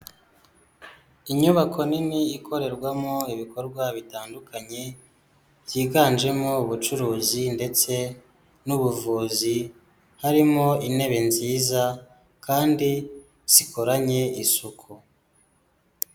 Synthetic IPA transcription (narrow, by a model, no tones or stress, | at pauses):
iɲuβakʰo̞niniːkʰo̞ɾe̞ɾɡwamoiβiko̞ɾɡwaβitaːndukʰaɲe̞ | jiːɡaːnd͡ʒe̞mo̞uβut͡ʃuɾuːzinde̞t͡se̞ | nuβuvuːzi | haɾimo̞ine̞βe̞nziːza | kaːndi | z̥ikʰoɾaɲe̞isukʰu